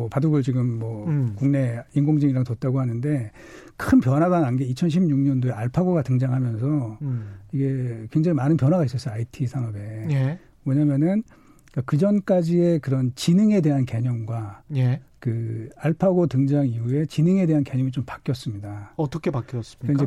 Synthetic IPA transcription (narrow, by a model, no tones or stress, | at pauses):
ʌpaduɡɯɭt͡ɕiɡɯmːʌkuŋne̞inɡoŋd͡ʑiŋiɾaŋtot̚t͈aɡoɦanɯnde̞ | kʰɯnp̬jʌnɦwaɡananɡe̞it͡ɕʰʌnɕʰibɲuŋɲʌndoe̞aɭpʰaɡoɡatɯŋd͡ʑaŋɦamjʌnsʰʌ | iɡe̞kwe̞ŋd͡ʑaŋimanɯnpjʌnɦaɣais͈ʌs͈ʌaitʰisʰanʌbe̞je | mʌɲamjʌnɯn | kakɯd͡ʑʌnk͈ad͡ʑie̞kɯɾʌnt͡ɕinɯŋe̞de̞ɦanke̞ɲʌŋɡwajekɯaɭpʰaɡotɯŋd͡ʑaŋiɦue̞t͡ɕinɯŋe̞de̞ɦanke̞ɲʌŋit͡ɕompḁk͈jʌs͈ɯmɲidaʌt͈ʌkʰepak͈ʌs͈ind͡ʑe